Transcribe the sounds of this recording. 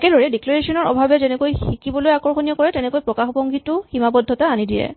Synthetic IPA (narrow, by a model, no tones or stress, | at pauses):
kɛdɔɹɛdiklaɹesɔnɔɹɔbʱabɛzɛnɛkojxikibɔlojakɔɹxonijɔkɔɹɛtɛnɛkojpɹɔkaxbɔŋɡʱitʊximabɔdʱːɔtaanidijɛ̰